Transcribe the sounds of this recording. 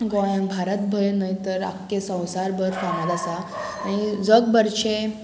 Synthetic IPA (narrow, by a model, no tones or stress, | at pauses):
ɡobʱaɾət̪̚bʱəjnait̪əɾa̰kːesə̃w̃saɾbəɾfanat̪asa | aɽ̃id͡zəɡbəɾɕe